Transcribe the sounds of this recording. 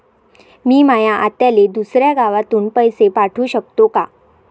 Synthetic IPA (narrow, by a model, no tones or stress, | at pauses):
miːmajaʔat̪jaled̪usɾjaɡaʋat̪uːnpəjsepaʈʰuːɕək̚t̪oka